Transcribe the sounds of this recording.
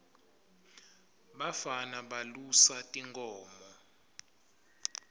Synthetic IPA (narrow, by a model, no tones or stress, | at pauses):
ɓafanaɓalusatʼiŋkʼɔːmɔ